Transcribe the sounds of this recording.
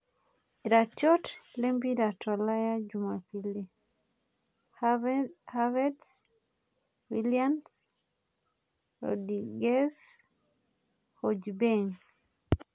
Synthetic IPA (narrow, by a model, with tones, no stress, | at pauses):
iɾa˨tjɔ˦tle˦mbi˦ɾa˨tʰɔ˨la˦ja˦d͡ʒuma˨pi˦le˦ | havɛts | wilians | ɔ̰diɡɛ˦s | hɔd͡ʒbeŋ